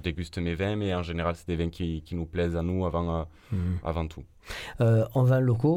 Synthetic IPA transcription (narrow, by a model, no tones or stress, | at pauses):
əd̪eɡʲyst̪əmevɛ̃mɛɑ̃ʒeneʁalsɛ̥d̪evɛ̃kʲʰikʲinuplɛzanuavɑ̃ø | a̰vɑ̃t̪ʰu | øɑ̃vɛ̃loko